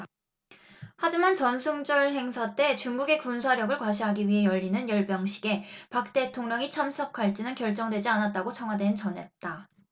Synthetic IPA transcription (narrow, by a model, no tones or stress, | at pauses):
had͡ʑimant͡ɕʌnsʰuŋd͡ʑʌɭɦe̞ŋsʰat͈e̞t͡ɕuŋɡuɡe̞kunsʰaɾjʌɡɯɭkwaɕʰiɦaɡiɥiɦe̞jʌʎːinɯnjʌɭbjʌŋɕʰi̥ɡe̞pak̚t͈e̞tʰoŋɲʌŋit͡ɕʰamsʰʌkʰaɭt͡ɕ͈inɯnkjʌɭt͡ɕ͈ʌŋdwe̞d͡ʑianat̚t͈aɡot͡ɕʰʌŋwadwe̞nt͡ɕʌnɦe̞t̚t͈a